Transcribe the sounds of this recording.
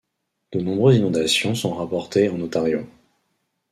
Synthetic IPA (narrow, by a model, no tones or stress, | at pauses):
d̪̥ənɔ̃bʁøzinɔ̃d̪asjɔ̃sɔ̃ʁapɔʁt̪eɑ̃not̪aʁjõ